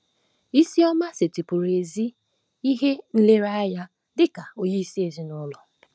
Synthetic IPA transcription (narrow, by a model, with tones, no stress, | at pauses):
i˦si˦ɔ˦ma˦se˨ti˨pʊ˨ɾe˨zi˦ | i˦ɦe˦n̩˦le˦ɾa˦ja˦ | dɪ˦ka˨o˨je˦i˦si˦e˨zi˦nʊ˦lɔ˨